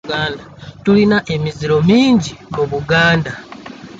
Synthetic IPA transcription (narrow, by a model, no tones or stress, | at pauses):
aːndatulinaʔe̞miziɾo̞miːɲɟimuβuɡaːnda